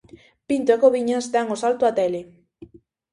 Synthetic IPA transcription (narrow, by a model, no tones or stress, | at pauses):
pint̪oekoβiɲazd̪aŋosalt̪oat̪ele